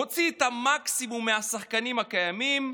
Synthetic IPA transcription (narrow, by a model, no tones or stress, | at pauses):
ot͡siːt̪amaksimumːeasaχkanimhakajamim